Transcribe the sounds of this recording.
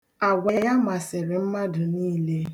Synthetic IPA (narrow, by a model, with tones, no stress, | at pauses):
a˨ɡʷa˨a˨ja˦ma˨sɪ˨ɾɪ˨m̩˦ma˦dʊ˨niː˦le˦